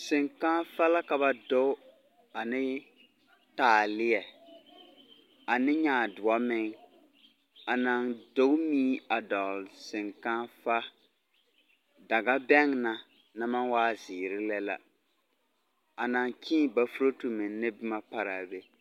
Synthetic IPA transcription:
sɪ˨ŋka˦fa˦la˦ka˨ba˨do˦ | a˨nɪ˦ | taː˨lɪ˦jɛ˨ | a˨nɪ˦ɲaː˨dʊ˨a˦mɪ˦ŋ | a˨na˨ndo˦miː˦a˨dɔ˨lsɪ˨ŋka˦fa˦ | da˨ɡa˦bɛ˦ŋna˨ | na˦ma˦nwaː˦zɪ˨ɾɪ˦lɛ˦la̰˦ | a˨na˨ŋkʰĩː˦˨ba˨fu˦ɾo˦tu˨mɪ˨nnɪ˦bɪ˦ma˦pa˦ɾa˨be˦

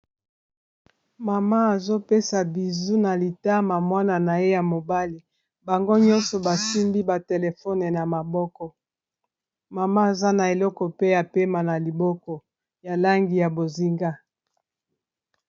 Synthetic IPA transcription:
ma˨ma˦a˨zo˦pe˦sa˨bi˨zu˦na˨li˨ta˦ma˨mwa˦na˨na˨je˦ja˨mo˨ba˦li˨ | ba˨ŋɡo˦ɲɔ˦nsɔ˨ba˨si˦mbi˦ba˨te˨le˨fɔ˦ne˨na˨ma˨bɔ˦kɔ˦ | ma˨ma˦a˨za˦na˨e˨lɔ˦kɔ˨pe˦ja˨pe˦ma˨na˨li˨bɔ˦kɔ˨ | ja˨la˦ŋɡi˨ja˨bo˨zi˦ŋɡa˦

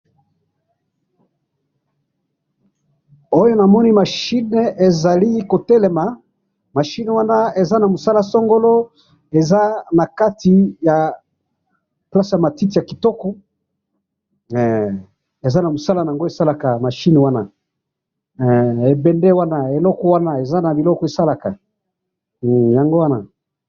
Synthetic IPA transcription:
o˦jo˦na˨mɔ˦ni˦ma˨ʃi˦ne˨˦e˨za˨li˦ko˨tɛ˦le˨ma˨ | ma˨ʃi˦ne˨wa˦na˦e˨za˦na˨mo˨sa˦la˦sɔ˦ŋɡo˦lo˦ | e˨za˦na˨ka˦ti˨ja˨ | pla˦su˨ja˨ma˨ti˦ti˨a˨ki˨tɔ˦kɔ˦ | ɛ˨ | e˨za˦na˨mo˨sa˦la˦na˨ŋɡo˦e˨sa˦la˨ka˨ma˨ʃi˦ne˨wa˦na˨ | e˨bɛ˨ndɛ˦wa˦na˦e˨lɔ˦kɔ˦wa˦na˦˨e˨za˦na˨bi˨lɔ˦kɔ˦e˨sa˦la˨ka˨ | ja˨ŋɡo˦wa˦na̰˨

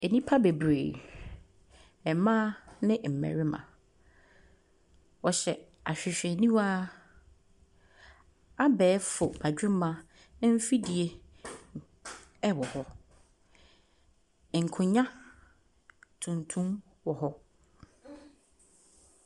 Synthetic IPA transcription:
e˨nĩ˦pʰa˦be˨bɾḛː˨ | ɛ˨mã˦nɪ̃˦m̩˨mæ̰̃˨ɾɪ˦mã̰˨ | wɔ˨ɕɛ˨ | a˨ɕᶣɪ˨ɕᶣɛ˨nĩ˦waː˦ | a˦bɛː˨˦fʊ˨ba˨d͡ʑᶣɪ˦mã˨˦ | m̩˦fi˦di˨e˦ | ɛ˦wɔ˨hɔ˦˨ | ŋ̩˨kʰʊ̃˨ɲã˦ | tʰũ˨ntʰũ˦m | wɔ˨hɔ˦

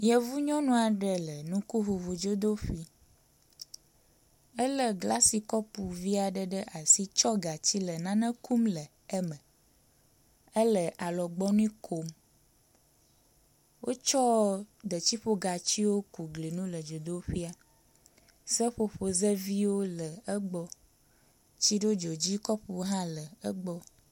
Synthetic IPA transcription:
jɛ˨vu˦ɲɔ̃˦nũ˦a˨ɖɛ˨lɛ˨nũ˦ku˦ɦu˨vu˨d͡ʒo˦d̪o˦ɸi˦ | ɛ˦lə˦ɡla˦si˨kɔ˦pu˨vi˦a˨ɖɛ˨ɖɛ˦ʔa˨si˦t͡ʃɔ˦ɡa˨t͡ɕi˦lɛ˨nã˦nɛ̃˦ku˦mlɛ˨ | ɛ˦mɛ̃˨ | ɛ˦lɛ˨ʔa˨lɔ˨ɡ͡bɔ˦nũ˦kʰo˦m | wo˦t͡ʃɔ˦ɖ̪ə˨t͡ɕi˦ɸo˦ɡa˨t͡ɕi˦wo˦ku˨ɡli˨nũ˦lə˨d͡ʒo˨d̪o˦ɸi˦a˨ | sə˦ɸo˨ɸo˨zə˦vi˦wo˦lə˨ə˦ɡ͡bɔ˦ | t͡ɕi˦ɖo˦d͡ʒɔ˨d͡ʑi˦kɔ˦ɸu˨˦ɦã˦lə˨ə˦ɡ͡bɔ˦

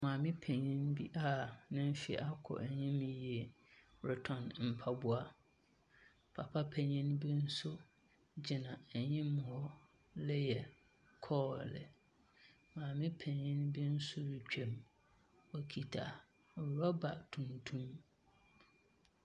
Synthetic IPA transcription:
mãː˨mɪ̃˦pʰɛ̃˨ɲĩ˦nbi˦ʔa˦nɪ̃˦m̩˦fi˨˦ʔa˦kʰɔ̰˨ʔɛ˨ɲɪ̃˦mĩ˨ji˨e˨ | ɾɛ˨tʰɔ̃˨nm̩˨pʰa˦bʊ˦a˦ | pʰa̰˨pʰa˦pʰɛ˨ɲĩ˦nbi˦n̩˦sʊ˦ | d͡ʑɪ˨nã˨ɛ˨ɲĩ˦mʊ̃˨hɔ˦ | lɛ˦jɛ˨ | kʰɔ˦˨lɪ̰˨ | mãː˨mɪ̃˦pʰɛ̃˨ɲĩ˦nbi˦n̩˦sʊ˦ɾi˨t͡ɕᶣɛ̃˨m | ɔ˨kʰi˨tʰa̰˨ | wɾa˦ba˨tʰũ˨ntʰũ˦m

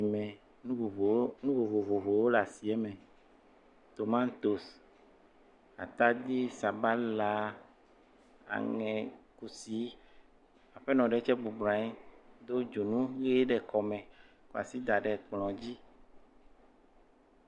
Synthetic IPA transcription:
i˨mɛ̃˨ | ũ˦o˨˦nũ˦vo˨vo˨vo˨vo˨wo˦la˨si˨ɛ˦mɛ̃˨ | t̪o˨mã˦nt̪o˨s | a̰˨t̪a˦d̪i˦sa˨ba˦la˦ | a̰˨ŋɛ̃˨ku˨si˦ | a˨ɸɛ˦nɔ̃˨ɖɛ˨˦t͡ʃɛ˦bu˨bɾa˨i˦d̪o˦d͡ʒo˨nũ˦ɣe˦ɖɛ˨kɔ˨mɛ̃˨ | ku˦a̰˨si˦d̪a˨ɖɛ˨k͡plɔ̃˨d͡ʑi˦

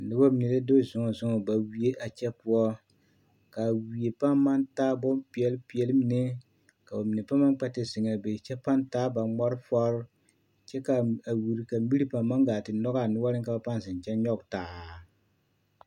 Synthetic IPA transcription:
nɨ˦ba˦mi˨nɛ˨le˦do˦zʊ˨ŋɔ˨zʊ˦ŋɔ˨ba˨wi˦e˦ʔa˨t͡ʃɛ˦pu˦ɔ˦ | ka˨wi˨e˨pa˦mːa˦ntaː˦bɔ˦mpi˨ɛ˦lpi˨ɛ˨lɨ˦mi˦nɛ˦ | ka˨ba˨mi˨nɛ˨pa˦ma˦ŋk͡pɛ˦tɪ˦zɪ˨ŋa˨lbe˨t͡ʃɛ˦pa˦ntaː˦ba˨ŋ͡mɔ˦ɾɨ˦fɔ˦ɾ | t͡ʃɛ˦ka˨a˨wi˨ɾi˨ka˨˦bi˦ɾi˦pa˨mma˦ŋɡaː˨tɪ˨nɔ˦ɡa˦˨nʊ˦wa˦lɪ˦ŋka˨ba˨pa˦n˨zɪ˨n˨t͡ʃɛ˦nɲɔ˦ɡtaː˨˦

